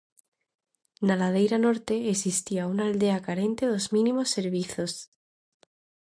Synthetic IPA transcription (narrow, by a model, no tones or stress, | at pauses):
nalað̞e̞jɾano̞ɾt̪e̞ːsist̪iaunald̪eakaɾe̞nt̪e̞ðo̞zmĩnimo̞sːe̞ɾβ̞iθo̞s